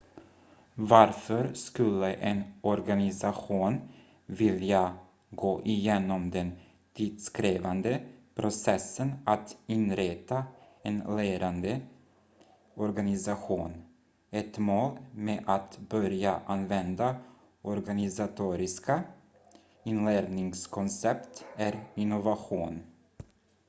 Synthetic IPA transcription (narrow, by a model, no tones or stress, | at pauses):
vaɾfœɾskɵlːəʔɛnɔɾɡanɪsaɧuːn | vɪlja | ɡoːʔɪjeːnɔmd̪ɛn | t̪ʰiːd̪skɾeːvand̪əpʰɾʊsɛsənat̪ɪnɾet̪a | ɛnleːɾand̪ə | ɔɾɡanɪsaɧuːn | ɛt̪moːlmeːʔat̪bœɾjaʔanvɛnd̪a | ʔɔɾɡanɪsat̪ʰuːɾɪska | ɪnleːɾnɪŋskʰɔnsɛpt̪æɾɪnːʊvaɧuːn